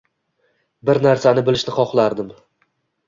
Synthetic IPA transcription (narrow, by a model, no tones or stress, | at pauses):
bɪɾnaɾsanɪbɪlɪʃnɪχɒχlˠaɾd̪ɪm